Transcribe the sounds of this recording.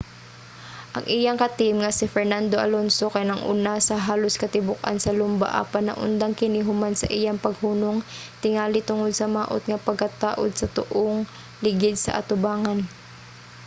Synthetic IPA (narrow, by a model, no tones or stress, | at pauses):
ʔɐŋʔɪjaŋkɐt̪ɪmŋɐsɪfɛɹnand̪oʔɐ̰lonsokɐjnɐŋʔṵːnasɐɦaːloskɐt̪ɪbʊk̚ʔa̰nsɐlʊmba̰ʔa̰panːɐ̰ʔʊ̰nd̪aŋkɪnɪɦʊmansɐ̰ʔijaŋpɐɡ̚huːnoŋt̪ɪŋaːlɪt̪ʊŋod̪̚sɐmaːʔo̰t̪̚ŋɐpɐɡ̚kɐt̪aːʔod̪̚sɐt̪ʊ̰ʔoŋ | lɪɡɪd̪̚sɐ̰ʔɐ̰t̪ʊbaːŋan